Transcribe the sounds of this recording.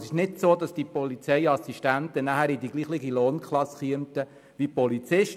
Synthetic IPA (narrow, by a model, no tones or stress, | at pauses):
sɪʃnɪdsoːdɑsd̥ipɔlit͡sɛɪɑsiʃtæntənæhæɾidiɡ̥liːχlɪɡiloːnkʰχlɑsχiəmtə | ʋipɔlit͡sɪʃ